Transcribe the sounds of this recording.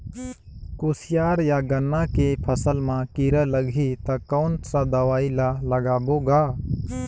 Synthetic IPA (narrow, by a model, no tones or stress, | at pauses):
koːsɪjaːɾjaɡənːakepʰəsəlmãkiɾələɡʱit̪ɐkaʊɳʈsãd̪əʋaːilaləɡaːboːɡaː